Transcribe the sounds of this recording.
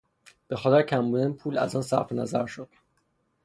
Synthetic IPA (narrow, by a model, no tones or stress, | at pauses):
b̥e̞xɒːt̪ʰeɾcʰæmbuːd̪ænpʰuːlæ̰zɒːnsæɾfenæzæɾʃod̪̥